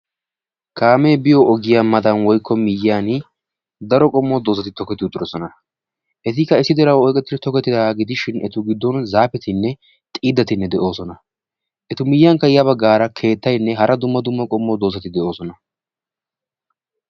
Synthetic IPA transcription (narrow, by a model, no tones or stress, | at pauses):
kʰaːmɛːbɪjɔʔɔɡɪjamɐd̪ɐnwɔjkːɔmɪjaːn | d̪ɐɾɔkʼɔmːɔd̪oːsɐt̪ɪt̪ɔkɛt̪ːɪut̪ʼːɪɾɔsɔnɐ | ʔɛt̪̬ɪkːɐɪsːɪd̪ɛɾɐwɔjkʼɛt̪ːɪd̪ɛt̪ɔkɛt̪ːɪd̪aːɡɪd̪ɪʃɪnɛt̪ʊɡɪd̪ːɔnzaːpɛt̪ɪnːɛ | t̪ʼiːd̪ːɐt̪ɪnːɛd̪ɛʔo̞ːsɔnɐ | ʔɛt̪ʊmɪjːaŋkɐjɐbɐɡaːɾɐkʰe̞ːt̪ːɐjnːɛɦɐɾʔɐd̪ʊmːɐd̪ʊmːɐkʼɔmːɔd̪oːsɐt̪ɪd̪ɛʔo̞ːsɔnɐ